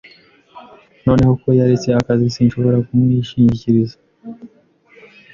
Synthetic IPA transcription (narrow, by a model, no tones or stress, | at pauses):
no̞ːne̞ho̞ko̞jaɾet͡se̞akazisiːnʃo̞βo̞ɾakumŋiʃiɲiciɾiza